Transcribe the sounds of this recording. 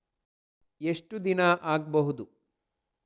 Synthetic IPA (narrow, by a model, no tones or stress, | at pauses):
eʂʈud̪inaʔaːɡ̚bɐɦud̪u